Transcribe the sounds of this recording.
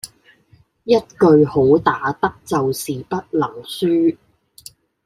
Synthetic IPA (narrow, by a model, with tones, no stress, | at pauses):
jɐ˥t̚kɵ˨˧ɥho˨˥wt̪aː˨˥t̪ɐ˥k̚t͡sɐ˨wsiː˨pɐ˥t̚lɐ˨˩ŋsyː˥